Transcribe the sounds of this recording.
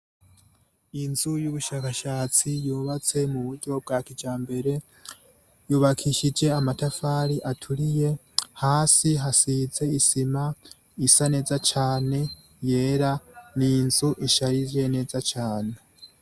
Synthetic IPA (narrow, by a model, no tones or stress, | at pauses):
inzujuβuʃaːkaʃaːt͡sijuːβat͡se̞muβuɾɟo̞b̚ɡaːkid͡ʒaːmbe̞ɾe̞ | juːβakʰiʃid͡ʒe̞amatafaːɾiʔatʰuɾije̞ | haːsiɦasize̞isima | isane̞ːzat͡ʃaːne̞ | je̞ːɾaninzuʔiʃaɾizje̞ne̞ːzat͡ʃaːne̞